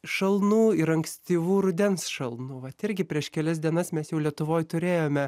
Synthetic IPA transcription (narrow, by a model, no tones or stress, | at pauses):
ʃɐlˠnuːɪɾɐŋksʲt̪ʲiːʋuːɾʊd̪ʲɛnsʃɐlˠnuːʋɐt̪ɪɾʲɡʲɪpʲɾʲiɛʃkʲɛlʲɛsd̪ʲiɛnɐsmʲɛsjɛʊlʲiɛt̪ʊʋoːjt̪ʊɾʲeːjoːmʲɛ